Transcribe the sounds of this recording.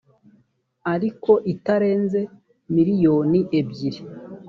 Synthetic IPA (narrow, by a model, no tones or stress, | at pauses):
aɾiko̞ʔitaɾe̞ːnze̞ | miɾijo̞ːniʔebɟiɾi